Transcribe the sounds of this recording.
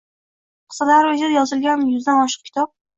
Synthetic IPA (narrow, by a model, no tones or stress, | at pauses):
qʰɨ̥salaɾʊd͡ʒed̪ajɒzɪlɡʲanjʊzd̪anɒʃɨ̥q̚kʲʰɪ̥t̪ʰɒp̚